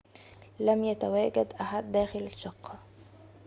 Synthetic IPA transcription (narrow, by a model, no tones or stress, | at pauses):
læmjat̪awæːɡad̪ʔaħad̪ːæːxɪlaʃːɑqʰːɑ